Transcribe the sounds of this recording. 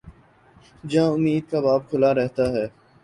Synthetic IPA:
d͡ʒãːʊmːiːd̪̚kabaːb̚kʰʊlaɾɛɦt̪aɦɛː

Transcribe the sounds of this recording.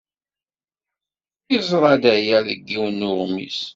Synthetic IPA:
izˤɾˤɑd̪æjæðəɡːiwnːʊʁmḭs

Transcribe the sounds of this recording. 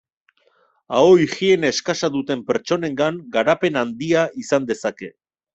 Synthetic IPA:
aoixie̞ne̞skasaðut̪e̞mpe̞ɾt͡ʃo̞ne̞ŋɡaŋɡaɾape̞nand̪iaisand̪e̞sake̞

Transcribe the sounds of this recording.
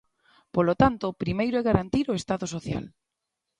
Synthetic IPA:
polot̪ant̪opɾimejɾoɛɣaɾant̪iɾoest̪aðosoθja̰l

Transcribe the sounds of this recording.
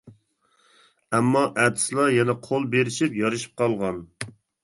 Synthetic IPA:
ɛmːɑʔɛt̪ʰɪ̥slˠɑjɛnɛqʰolˠbeɾɪʃipjɑɾɨʃi̥p̚qʰɑlˠʁɑn

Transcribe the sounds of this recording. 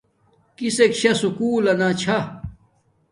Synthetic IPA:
kisekɕɐsukuːlɐnat͡ɕʰa

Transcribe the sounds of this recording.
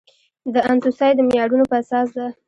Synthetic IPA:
d̪əansusɑjd̪əmɪjɑɽunopəasɑs̬d̪a

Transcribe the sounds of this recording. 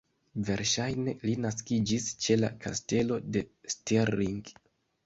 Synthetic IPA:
ve̞ɾʃajne̞linaskid͡ʒist͡ʃe̞la̰kʰa̰ste̞lo̞de̞steɾːiŋɡ

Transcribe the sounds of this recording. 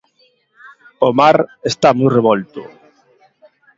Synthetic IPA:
omaɾest̪amɔjreβɔlt̪ʊ̰

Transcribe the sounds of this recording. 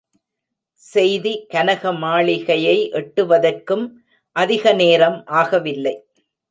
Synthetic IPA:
sɛjðikɐnɐɣɐmaːɭɪɣɐjɐɪʔɛʈːɯʋɐðɐrkɯm | ʔɐðɪɣɐneːɾɐmʔaːɣɐʋɪlːɐɪ

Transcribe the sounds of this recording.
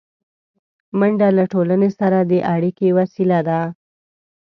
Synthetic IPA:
maɳɖalaʈolənesaɾad̪əʔaɽikewasilad̪a

